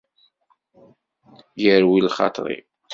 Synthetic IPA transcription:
jəɾwilχɑ̰t̪ˤɾˤḭ

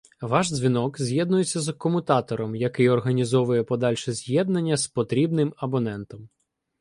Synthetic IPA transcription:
ʋɑʒzʲʋʲinɔkzʲjɛd̪nʊjet͡sʲːɐzkɔmʊt̪ɑt̪ɔɾɔmjɐkɪjɔrɦɐnʲizɔʋʊjɛpɔd̪ɑlʲʃɛzʲjɛd̪̚nɐnʲːɐspɔt̪ɾʲibnɪmɐbɔnɛnt̪ɔm

